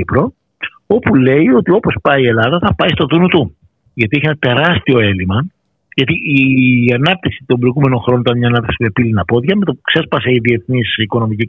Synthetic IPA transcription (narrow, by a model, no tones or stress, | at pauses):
ipɾo̞ | o̞pule̞io̞t̪io̞po̞spɐie̞lɐðɐθɐpɐist̪o̞ðunut̪u | ʝɐt̪ieçienɐt̪e̞ɾɐst̪io̞e̞limɐ | ʝɐt̪iiɐnɐp̚t̪iksi̥t̪ombɾo̞iɣume̞noxɾo̞noit̪ɐnmɲɐːnɐp̚t̪i̥ksime̞pilinɐpo̞ðʝɐme̞t̪opukse̞spɐse̞iðie̞θnisiko̞no̞mici